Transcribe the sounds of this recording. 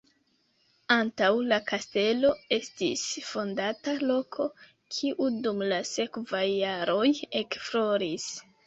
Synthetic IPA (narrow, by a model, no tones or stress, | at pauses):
antawlakaste̞lo̞e̞stḭsfo̞ndatalo̞kʰo̞ | kʰiʔudumlase̞kvajːaɾo̞jekflo̞ɾis